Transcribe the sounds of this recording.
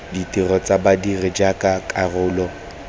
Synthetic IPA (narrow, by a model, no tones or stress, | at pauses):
ditʼɪrɔt͡sʼabadirɪd͡ʒakʼakʼarʊːlɔ